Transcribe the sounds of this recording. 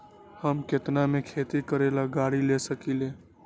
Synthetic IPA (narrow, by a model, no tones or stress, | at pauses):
həmket̪namẽkʰeːt̪ikəɾelaɡaːɽilesəkile